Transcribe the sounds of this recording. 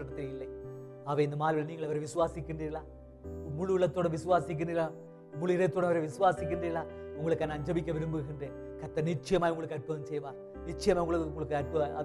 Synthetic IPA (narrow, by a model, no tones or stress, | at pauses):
ʈːɐt̪ːililːɐj | ɐʋɐind̪ɐmaːlʋilniːŋɡɐɭɐʋɐɾeʋisuʋaːsikʲːɨɳɖɐilːaː | muɭuɭːɐt̪ːoːɽɐmʋisuʋaːsik̬ʲːɨɳɖɐla | muɭiɾet̪ːoːɽɐmɐʋɐɾeʋisuʋaːsikʲːɨɳɖɐiɭːaːuŋɡɐɭɯkːaːnɐɲd͡ʑɐbikʲːɐʋɐɾumbɯɣɐɳɖeː | kɐt̪ːɐnit͡ʃːɐjɐmaːjuŋɡɐɭɯkːɐɾpɐɐmt͡ɕejːʋaː | nit͡ʃːɐjɐmaːjuŋɡɐɭuŋɡɐɭɯkːɨɐɾpɐɐ̰